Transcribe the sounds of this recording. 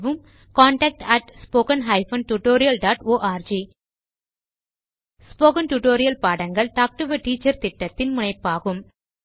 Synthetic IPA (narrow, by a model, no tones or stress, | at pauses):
ʋɯm | kaːɳʈɐk̚ʈɐʈspoːkɐnɦɐɪfɐnʈuʈoːɾɪjɐlɖaːʈoːʔaːɾd͡ʒiː | spoːkɐnʈuʈoːɾɪjɐlpaːɽɐŋɡɐɭʈaːk̚ʈʊʋɐʈiːt͡ʃːɐɾt̪ɪʈːɐt̪ːɪnmʊnɐɪpːaːɣɯm